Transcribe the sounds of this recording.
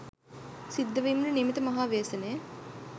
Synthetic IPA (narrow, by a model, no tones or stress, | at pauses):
sid̪ːɐʋimɾunemit̪əmɐɦaːʋeːsɐneː